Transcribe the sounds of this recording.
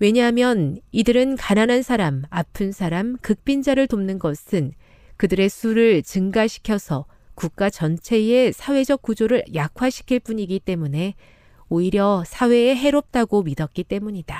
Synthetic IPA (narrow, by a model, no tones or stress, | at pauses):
we̞ɲaɦamjʌnidɯɾɯnkananansʰaɾamapʰɯnsʰaɾamkɯk̚p͈ind͡ʑaɾɯɭtomnɯnɡʌsʰɯn | kɯdɯɾe̞sʰuɾɯɭt͡ɕɯŋɡaɕʰi̥kʰjʌsʰʌ | kuk̚k͈at͡ɕʌnt͡ɕʰe̞e̞sʰawe̞d͡ʑʌk̚k͈ud͡ʑoɾɯɭjakʰwaɕʰi̥kʰiɭp͈uɲiɡit͈e̞mune̞ | oiɾjʌsʰawe̞ːɦe̞ɾop̚t͈aɡomidʌk̚k͈it͈e̞muɲida